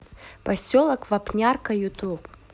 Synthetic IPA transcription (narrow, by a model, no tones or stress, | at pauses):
pɐsʲolˠɐkvɐpnʲarkɐjut̪up